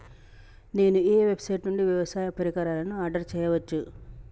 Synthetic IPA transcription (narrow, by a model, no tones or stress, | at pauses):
ne̞ːnueːʋe̞bsɐjʈnuɳɖiʋjɐʋɐsaːjɐpɐɾikaːɾaːlɐnuaːɾɖɐɾt͡ʃɛːjɐʋɐt͡ʃːu